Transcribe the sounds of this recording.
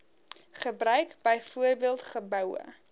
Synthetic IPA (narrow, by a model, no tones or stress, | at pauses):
χəbrœɥkb̥əjfuərbiəlˠtχəbœwə̰